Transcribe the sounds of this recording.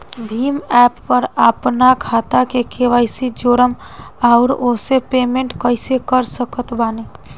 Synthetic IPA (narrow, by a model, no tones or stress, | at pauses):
bʱiːmɛːpːəɾəpnakʰaːt̪akekʰeʋaɪsid͡ʒoːɾəm | aʊɾosepemẽɳʈkəɪsekəɾsəkət̪baːne